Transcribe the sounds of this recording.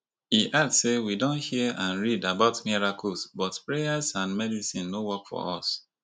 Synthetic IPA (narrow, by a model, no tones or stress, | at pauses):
hiʔatsewidõnthiəʔãnɹidabaʊtmiɹakɔlˠsbɔtpɹejasãnmɛdisĩnːowɔkfɔ̰ɔ̰s